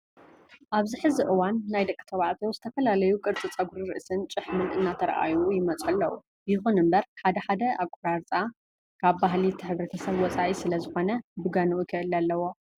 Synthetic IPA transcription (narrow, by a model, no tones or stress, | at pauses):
ʔaβziħɨziʔɨwanːajd̪ɐkʼːi̥t̪ʰɐβaʕt̪ʰowzɨt̪ʰɐfɐlalɐjukʼɨɾt͡sʼit͡sʼɐɡuɾɨɾɨ̰ʔsɨnt͡ʃʼɨħmɨnʔɨnːat̪ʰɐɾɐ̰ʔa̰jujɪmɐt͡sʼħɐlːɐwu | bɨjɪxunɨmbɐɾħad̪ɐħad̪ɐakʷʼːuɾaɾt͡sʼa | kʰaβbaɦlit̪ʰɨħɨβɾɐt̪ʰɐsɐβwɔt͡sʼaʔisɨlɐzɨxo̞nɐbɨɡanuʔukʰɨʔɨlalːɐwo̞